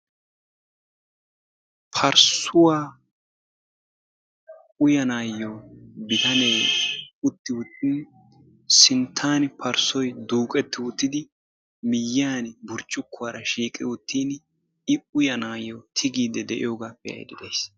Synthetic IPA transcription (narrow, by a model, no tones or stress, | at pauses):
pʰɐɾsʊwaː | ʊjɐnaːjːobɪt̪ɐnejʊt̪ːɪwʊt̪ːɪn | sɪnt̪ʰːaːnpʰɐɾsɔjd̪uːkʼɛt̪ːɪʊt̪ːɪd̪ɪ | mɪjːaːnbʊɾt͡ʃʼːʊkːʊwaːɾɐʃiːkʼɪwʊt̪ːiːn | ɪʊjɐnaːjːot̪ʰɪɡiːd̪ɛd̪ɛʔɪ̰joːɡapːɛjɐ̰jd̪ɪd̪ejs